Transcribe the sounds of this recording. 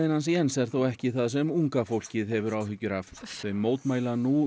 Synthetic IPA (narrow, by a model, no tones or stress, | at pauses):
ɪnhansiɛnsɛɾ̥θowɛhcɪθaðs̬ɛmuŋkafowl̥cɪðɦɛvʏɾawɦʏcːʏɾavθejmːoːwt̪maːjlanu